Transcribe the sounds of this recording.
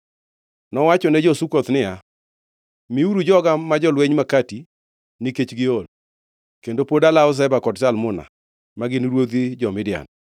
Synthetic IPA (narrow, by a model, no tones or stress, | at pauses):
nɔwat͡ʃɔnɛd͡ʒɔsukot̪nɪa | miuɾud͡ʒɔɡamad͡ʒɔlweɲmakati | nɪket͡ʃɡɪol | kendopodalaʊs̬ɛbakɔdsalmʊna̰ | maɡɪnɾwod̪id͡ʒɔmɪdɪja̰n